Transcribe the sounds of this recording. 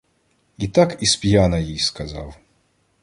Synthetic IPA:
it̪akispʲjanɐjijskaza̰w

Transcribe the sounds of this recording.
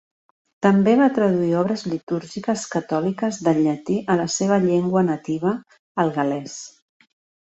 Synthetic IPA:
t̪əmbeβat̪ɾəðuiɔβɾəzlit̪uɾʒikəskət̪ɔlikəzðəʎət̪iʔələseβ̞əʎeŋɡwənət̪iβ̞əː | lˠɣəlɛs

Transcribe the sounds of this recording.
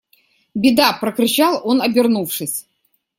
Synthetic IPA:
bʲɪd̪apɾəkɾʲɪt͡ɕalˠonɐbʲɪrnufʂɨsʲ

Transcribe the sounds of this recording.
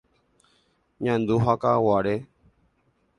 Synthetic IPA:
ɲãnd̪uɦakawaɾe

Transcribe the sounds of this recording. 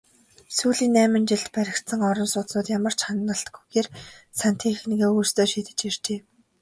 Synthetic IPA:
suːɮiːnːæːmə̆nt͡ɕɪɮt̪pæɾʲɪ̆kt̪sə̆ŋɔɾɞ̆nsʊːt̪nʊːt̪jamə̆r̥t͡ɕχanːə̆ɬt̪ɡujɣeːrsan̥t̪ʰiːexniɣeːujst̪oːʃiːt̪ɘ̆t͡ɕir̥t͡ɕeː

